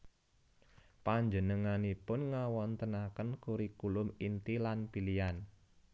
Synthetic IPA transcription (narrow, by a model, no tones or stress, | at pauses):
paɲd͡ʒənəŋanipʊnŋawɔnt̪ənakənkuɾikulʊmint̪ilanpilian